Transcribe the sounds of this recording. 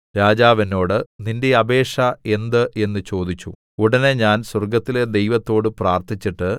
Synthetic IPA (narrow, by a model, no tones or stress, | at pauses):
ɾaːd͡ʑaːʋɐno̞ːɽɨninde̞ɐbe̞ːʂɐe̞nd̪ɨʔe̞nːɨt͡ɕo̞ːd̪it͡ɕːṵ | uɽɐne̞ɲaːnswɐrɡɐt̪ːile̞d̪e̞jʋɐt̪ːo̞ːɽɨpraːrt̪ʰit͡ɕːiʈːɨ